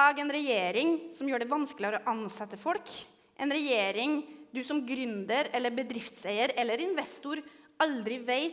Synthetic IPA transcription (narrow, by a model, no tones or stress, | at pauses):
ɑːɡɛnɾɛjeːɾɪŋsɔmjøːɖɛʋɑnsklɪfəɾɔʔɑnsɛt̪ːəfɔlk | ʔɛnɾɛjeːɾɪŋd̪ʉsɔmɡɾʉnd̪əɾɛlːəɾbəd̪ɾɪft̪seɪəɾɛlːəɾɪnʋɛst̪ʊɾɑld̪ɾɪʋeɪ